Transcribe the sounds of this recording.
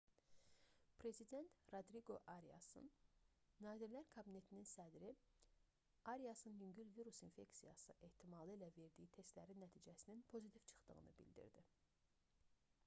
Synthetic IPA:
pʰɾe̞zid̪e̞nt̪ɾod̪ɾiɡo̞ʔɑɾiɑ̰sɯ̰nː | ɑːziɾlæɾkʰɑbine̞t̪ʰininsæd̪ɾi | ɑɾijɑsɯnjyɲɟylviɾusinfe̞ksijɑ̰sɯʔe̞ht̪ʰimɑlˠɯilæve̞ɾd̪ijit̪ʰe̞st̪læɾinːæt̪ʰiːd͡ʒæsininpʰo̞zit̪ʰiv̥t͡ʃʰɯ̥χt̪ɯɣɯ̰nɯ̰bḭld̪ḭɾd̪i

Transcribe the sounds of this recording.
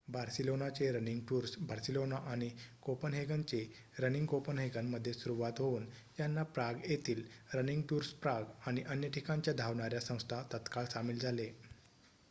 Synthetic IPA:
baɾsilonat͡seɾəniŋɡʈuːɾsbaɾsilonaʔaɽ̃ikopənɦeɡaɲt͡se | ɾəniŋɡkopənɦeɡanːəd̪ʱːjesuɾuʋat̪ɦouːnjanːapɾaɡjet̪iːlɾəniŋɡʈuːɾspɾaɡaɽ̃iʔənjəʈʰikãɲt͡ɕjad̪ʱaʋɳaɾjasə̃w̃st̪ʰat̪ət̪kaɭsamiːld͡zʱale

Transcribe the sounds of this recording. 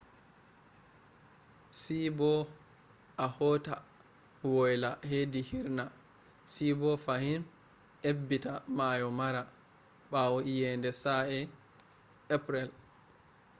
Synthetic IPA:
sibɔ | ʔahɔta | wɔjlahedihiɾna | sibɔfahin | ʔebːitamajɔmaɾa | ɓawɔijɛndɛsaɛ | apɾɛl

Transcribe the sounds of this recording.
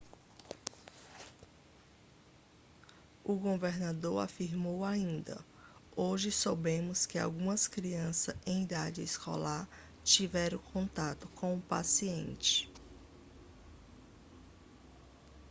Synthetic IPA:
ʊɡoveɾnad̪oɾa̰fiɾmowaĩd̪ɐ̰ | oʒɪsobẽmʊskɪa̰wɡũmɐskɾiɐ̃sɐẽj̃id̪ad͡ʒɪiskʰɔ̰laɾ | t͡ʃivɛɾɐ̃kʰõnt̪at̪ʊkõw̃ʊpa̰siẽnt͡ʃɪ̥

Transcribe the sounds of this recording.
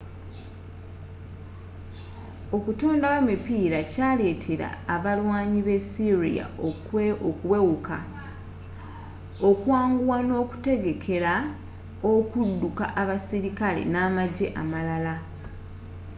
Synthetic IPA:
o̞kutoːndawamipiːɾacaːle̞ːtʰe̞ɾa̰ːβalwaːɲiβe̞siɾḭja̰o | okwewukʰa̰ | okwaːŋɡuwano̞ːku̥te̞ɡe̞kʰe̞ɾa | okudːuka̰ʔaβasiɾikale̞̰naːmaɟeʔamalala

